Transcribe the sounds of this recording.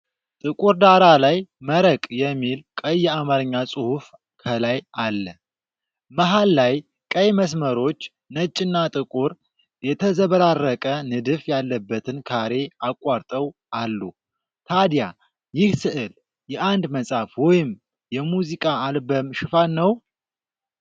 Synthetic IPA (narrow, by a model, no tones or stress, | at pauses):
t̪ʼɨkʼuɾd̪aɾalajməɾəkʼjɛmːilkʼəjːɛamaɾɨɲːasʼuhuf | kʰəlajalːə | məɦalːaj | kʼəjməs̬məɾo̞t͡ʃː | nət͡ʃʼːɪnːat̪ʼɨkʼuɾ | jɛt̪ʰəzəβəɾarːəkʼənɨd̪ɨfjalːəbːət̪ʰɨnkʰaɾe̞akʼwaɾt̪ʼəwʔalːu | t̪ʰad̪ja | jɪhsɨʔɨl | jɛʔand̪məsʼafwɔjɪm | jɛmuzikʼaːlbəmʃɪfanːəw